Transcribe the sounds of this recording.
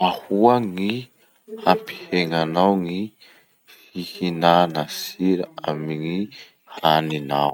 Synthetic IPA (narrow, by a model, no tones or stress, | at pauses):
mahuaŋi | hampi̥heŋanawŋi | fihinanasiɾaamiŋi | hanina̰w